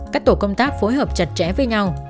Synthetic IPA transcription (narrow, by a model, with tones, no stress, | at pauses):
kaː˦˥k̚t̪o˧˩kə˧wŋ͡mt̪aː˦˥k̚fo˨˦jɦəː˨˩p̚t͡ɕə˨˩t̚t͡ɕɛ̰˧˩vəː˨˦jɲa˧w